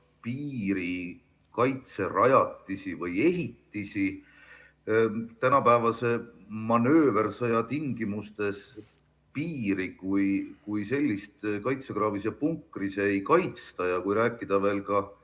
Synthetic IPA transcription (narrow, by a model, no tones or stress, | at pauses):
piːɾi | kɑjt̪se̞rɑjɑt̪ːisivɤje̞ɦit̪ːisi | t̪ænɑpæːvɑse̞mɑnø̞ːversɤjɑt̪iŋɡimust̪e̞s | piːɾikujkujse̞lʲːist̪kɑjt̪se̞kɾɑːvisepuŋkˑrisejkɑjt̪st̪ɑjɑkujɾæːkːˑid̪̥ɑve̞ːlkɑ